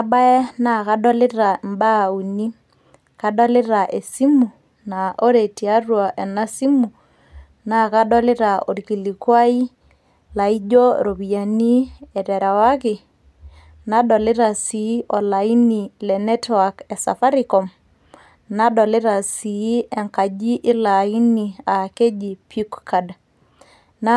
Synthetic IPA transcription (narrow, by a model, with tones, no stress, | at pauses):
a˦ɓa˦ɛ˦na˨ka˦ɗɔ˦lɪ˦ra˨mba˦˨u˨ni˦ | ka˦ɗɔ˦lɪ˦ɾa˨ʔe˨si˦mu˨ | na˨ʔo˦ɾe˨ti˨a˦rwa˨ʔɛ˨na˦si˦mu˨ | na˨ka˦ɗɔ˦lɪ˦ɾa˨o˨ɾki˨li˨kwa˦i˦ | la˨i˦d͡ʒo˦ɾo˨bi˨ja˨ni˦ɛtɛɾa˨wa˦kɪ˨ | na˦ɗɔ˨lɪ˦ɾa˨si˨˦ʔɔ˨la˨i˦ni˨lɛ˨nɛ˦twa˨kɛ˨sa̰˨fa˦ɾikɔ˨m | na˦ɗɔ˨lɪ˦ɾa˨si˨˦ɛ˨ŋka˨d͡ʒi˦ʔɪ˦la˨i˦nia˨ke˦d͡ʒi˨pi˦kka˨da | na